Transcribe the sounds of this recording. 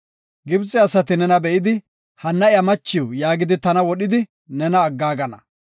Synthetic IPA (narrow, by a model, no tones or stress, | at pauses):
ɡɪbt͡sʼːɪɐsɐt̪ɪnɛnɐbɛʔɪd̪ɪ | hɐnːɐɪjɐmɐt͡ʃːɪwjaːɡɪd̪ɪt̪ɐnɐwɔɗɪd̪ɪ | nɛnɐːɡːaːɡɐnɐ